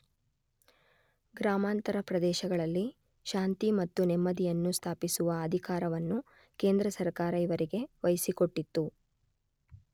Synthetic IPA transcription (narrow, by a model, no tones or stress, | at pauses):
ɡɾaːmaːnt̪ɐɾɐpɾɐd̪ɛːʃɐɡɐɭɐlːi | ʃaːnt̪imɐt̪ːunɛmːɐd̪ijɐnːust̪ʰaːpisuʋɐːd̪ʱikaːɾɐʋɐnːu | ke̞ːnd̪ɾɐsɐɾkaːɾɐiʋɐɾiɡe̞ʋɐjsiko̞ʈːit̪ːu